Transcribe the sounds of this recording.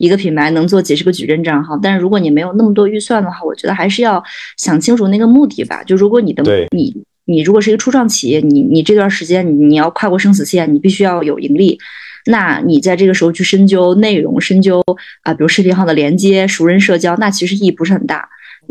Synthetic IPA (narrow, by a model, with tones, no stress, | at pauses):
i˧˥ɡə˧pʰi˨˩npʰa˧˥ɪnɤ˧˥ŋt͡swɔ˥˩t͡ɕjɛ˨˩ʂɻ̩˧˥ɡə˧t͡ɕy̰˨˩ɻə˥˧nʈ͡ʂɑ˥˧ŋxɑ˥˧ʊt̪a˥˧nʂɻ̩˥˩ɻu˧˥kwɔ˧˥ni˨˩me˧˥ɪjo˨˩ʊn˥˩mə˩t̪̬wɔ˥y˥˧swa˥˩nd̪ə˩xwa˥˩wɔ˨˩t͡ɕɥɛ˧˥d̪ə˧xa˧˥ɪʂ̬ɻ̩˥˧jɑ˥˩ʊɕjɑ˨˩ŋt͡ɕʰi˥ŋʈ͡ʂʰu˨˩na˥˩ɡə˩mu˥˧t̪i˥˩bɐ̰˩t͡ɕjo˥˧ʊʂɻɻkwɔ˧˥ni˨˩d̪ə˦˧nḭ˨˧˩ | ni˨˩ɻu˧˥kwɔ˨˩ʂɻ̩˥˧˥ɡə˧ʈ͡ʂʰu˥ʈ͡ʂwɑ˥˩ŋt͡ɕʰḭ˨˩jɛ˥˩ni˨˩˥ni˨˩ʈ͡ʂɤ˥˧t̪wa˥˩ʂɻ̩˧˥t͡ɕjɛ˥n˩ni˨˩jɑ˥˧ʊkʰwa˥˧kwɔ˥˩ʂɤ˥ŋs̬̩˨˩ɕjɛ˥˩nni˨˩pi˥˩ɕy˥jɑ˥˩ʊjo˨˩ʊḭ˧˥ŋli˥˩na˥˩ni˨˩t͡sa˥˧ɪʈ͡ʂɤ˥˩ɡə˩ʂɻ̩˧˥xʊt͡ɕʰy˥˩ʂə˥ŋt͡ɕjo˥ʊne˥˩ɪɻʊ̰˧˥ŋʂə˥ŋt͡ɕjo˥ʊə˧pi˨˩u˧˥ʂɻ̩˥˩pʰi˥ŋxɑ˥˩d̪ə˩ljɛ˧˥nt͡ɕjɛ˥ʂu˧˥ɻə˥nʂɤ˥˩t͡ɕjɑ˥ʊna˥˩t͡ɕʰi˧˥ʂɻ̩˧˥i˥˩˧pu˧˥ʂɻ̩˥xə˨˩nt̪a̰˥˩